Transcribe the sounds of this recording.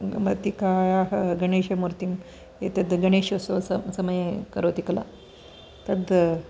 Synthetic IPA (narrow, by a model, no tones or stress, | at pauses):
mɐt̪ikajaɦɡɐɳeʃemuɾt̪im | jet̪ed̪ɡɐɳ̃eːʃososɐsɐməjekɐɾot̪ikla̰ | t̪ɐd̪